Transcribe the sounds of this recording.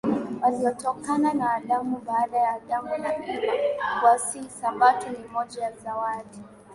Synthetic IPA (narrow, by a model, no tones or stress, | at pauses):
waliɔtɔkananaːlamuɓaːɗajaːɗamuaawasisamatunimɔʄajazawaɗi